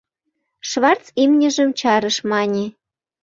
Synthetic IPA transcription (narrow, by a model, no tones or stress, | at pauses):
ʃβɑrt͡simnʲə̆ʒə̆mt͡ɕɑɾəʃmɑnʲe